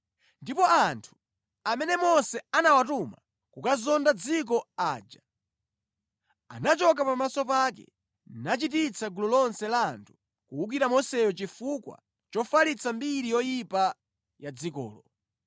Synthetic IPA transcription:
ndipɔantʰu̥ | amɛnɛmɔsɛanawatuma̰ | kukazɔndad͡zik̬ɔaːd͡ʒa | a̰nat͡ʃɔk̬apamasɔpakɛ̰ | nat͡ʃit̬it͡sʰaɡulɔlɔnsɛlantʰu̥ | kuwuk̬iɾamɔsɛjɔt͡ʃifukwa̰ | t͡ʃɔfalit͡sʰambiɾijɔjipa | jad͡zikɔ̰ːlɔ

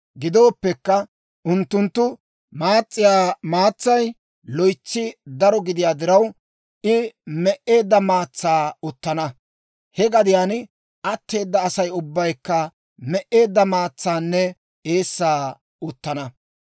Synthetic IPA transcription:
ɡɪd̪o̞ːpːɛkːɐ | ʔʊnt̪ːʊnt̪ːʊ | maːt͡sʼːɪjaːmaːt͡sːɐj | lɔjt͡sːɪd̪ɐɾɔɡɪd̪ɪjaːd̪ɪɾɐw | ɪmɛʔe̞ːd̪ːɐmaːt͡sːaːʊt̪ːɐnɐ | hɛɡɐd̪ɪjaːn | ʔɐt̪ːe̞ːd̪ːɐːsɐjʊbːɐjkːɐ | mɛʔe̞ːd̪ːɐmaːt͡sːaːnːɛ | eːsːaː | ʊt̪ːɐnɐ

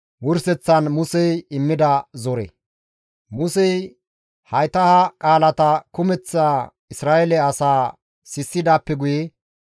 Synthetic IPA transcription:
wʊɾsɛt͡sːɐnmʊsɛjɪmːɪd̪ɐzɔɾɛ̰ | mʊsɛj | hɐjt̪ɐhɐkʼaːlɐt̪ɐkʊmɛt͡sːaː | ɪsɾaːʔɛlɛɐsaː | sɪsːɪd̪aːpːɛɡʊjɛ

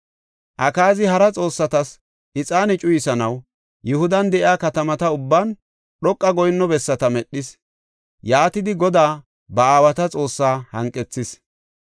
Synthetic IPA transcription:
ʔɐkaːzɪhɐɾɐt͡sʼo̞ːsːɐt̪ɐs | ʔɪt͡sʼaːnɪt͡ʃʼʊjɪsɐnɐw | jʊhʊd̪ɐnd̪ɛʔɪaːkɐt̪ɐmɐt̪ɐʊbːaːn | ɗɔkʼːɐɡɔjnːɔbɛsːɐt̪ɐmɛɗːɪs | jaːt̪ɪd̪ɪɡɔd̪aː | bɐaːwɐt̪ɐt͡sʼo̞ːsːaːhɐ̰ŋkʼːɛt͡sːɪs

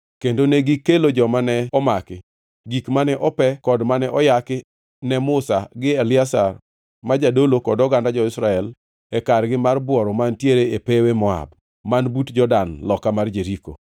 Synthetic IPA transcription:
kendoneɡɪkːelod͡ʒɔmanɛɔmakɪ | ɡikmanɛʔɔpɛkɔdmanɛʔɔjakɪ | nɛmʊsaɡɪɛlɪasar | mad͡ʒadolokɔdɔɡandad͡ʒɔɪsɾaɛl | ɛkaɾɡɪmarbwɔɾɔmantjeɾeepewemɔa̰b | manbutd͡ʒɔdanlɔkamard͡ʒeɾiko̰

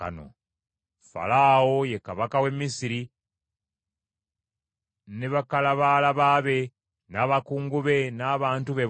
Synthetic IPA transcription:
a̰no̰ | fa̰lawo̞je̞kaβakawe̞mːisiɾi | neβakalaβalaβaβe̞ | naːβakuːŋɡuβe̞naːβaːntuβe̞

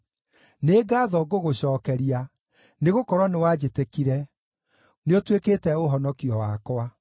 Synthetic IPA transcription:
neːɡaːðɔɡoɣoɕɔːkɛɾia | neɣokɔɾwɔnewad͡ʑetekiɾɛ | neotweketɛoɦɔnɔkiɔwakwa

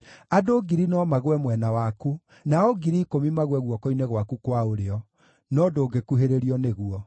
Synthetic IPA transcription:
adoːɡiɾinɔmaɣwɛmwɛnawaku | naɔɡiɾiːkomimaɣwɛɣwɔkɔinɛɣwakukwaoɾeɔ | nɔdoːɡekuɦeɾeɾiɔneɣuɔ

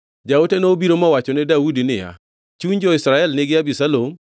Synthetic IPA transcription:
d͡ʒaotenoːbiɾomɔwat͡ʃɔnɛdaudinɪ̰ja̰ | t͡ʃund͡ʒɔɪsɾaɛlnɪɡɪabisalom

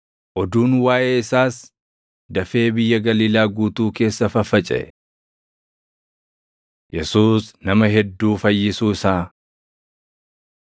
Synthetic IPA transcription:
ʔɔd̪uːnwaːʔeːɪsaːs | d̪ɐfe̞ːbɪjːɐɡɐliːlaːɡuːt̪uːke̞ːsːɐfɐfɐt͡ʃʼɛ̰ʔɛ | jɛsuːsnɐmɐɦɛd̪ːuːfɐjːɪsuːɪsaː

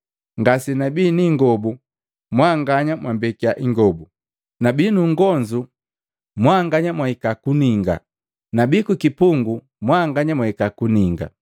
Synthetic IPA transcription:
ŋɡasinabiniŋɡɔbu | mwaŋɡaɲamwambɛkiaʔiŋɡɔbu | nabinuŋɡɔnd͡ʒu | mwaŋɡaɲamwaikakuniŋɡa̰ | nabikukipuŋɡu | mwaŋɡaɲamwaikakuniŋɡa̰

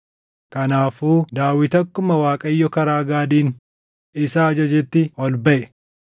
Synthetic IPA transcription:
kɐnaːfuːd̪aːwɪt̪ɐkːʊmɐwaːkʼɐjːɔkɐɾaːɡaːd̪iːn | ɪsaːd͡ʒɐd͡ʒɛt̪ːɪɔlbɐʔɛ

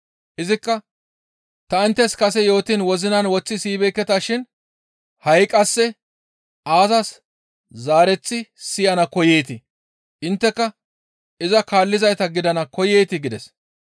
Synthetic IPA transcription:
ʔɪzɪkːɐ | t̪ɐɪnt̪ːɛskɐsɛjo̞ːt̪ɪnwɔzɪnɐnwɔt͡sːɪsiːbɛːkːɛt̪aːʃɪn | hɐjkʼɐsːɛ | ʔaːzɐs | zaːɾɛt͡sːɪsɪjɐnɐkɔjeːt̪ɪ | ʔɪnt̪ːɛkːɐ | ɪzɐkaːlːɪzɐjt̪ɐɡɪd̪ɐnɐkɔjeːt̪ɪɡɪd̪ɛs

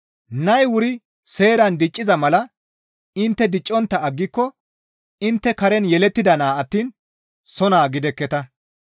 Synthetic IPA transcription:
nɐjwʊɾɪ | se̞ːɾɐnd̪ɪt͡ʃʼːɪzɐmɐlɐ | ɪnt̪ːɛd̪ɪt͡ʃʼːɔnt̪ːɐɐɡːɪkːɔ | ɪnt̪ːɛkɐɾɛnjɛlɛt̪ːɪd̪ɐnaːɐt̪ːiːn | sɔnaːɡɪd̪ɛkːɛt̪ɐ

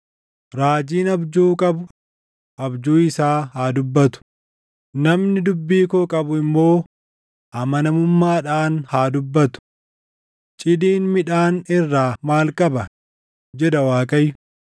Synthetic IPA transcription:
ɾaːd͡ʒiːnɐbd͡ʒuːkʼɐbʊ | ʔɐbd͡ʒuːɪsaːhaːd̪ʊbːɐt̪ʊ̥ | nɐmnɪd̪ʊbːiːkokʼɐbʊɪmːo̞ː | ʔɐmɐnɐmʊmːaːᶑaːnhaːd̪ʊbːɐt̪ʊ̥ | t͡ʃʼɪd̪iːnmɪᶑaːnɪrːaːmaːlkʼɐbɐ | d͡ʒɛd̪ɐwaːkʼɐjʊ

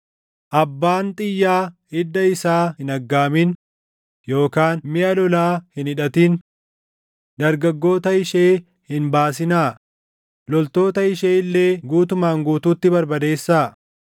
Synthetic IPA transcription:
ʔɐbːaːnt̪ʼɪjːaː | ɪd̪ːɐɪsaːhɪnɐɡːaːmɪn | jo̞ːkaːnmɪʔɐlɔlaːhɪnɪᶑɐt̪iːn | d̪ɐɾɡɐɡːo̞ːt̪ɐɪʃeː | hɪnbaːs̬ɪnaː | lɔlt̪o̞ːt̪ɐɪʃeːlːe̞ːɡuːt̪ʊmaːŋɡuːt̪uːt̪ːɪbɐɾbɐd̪e̞ːsːaː

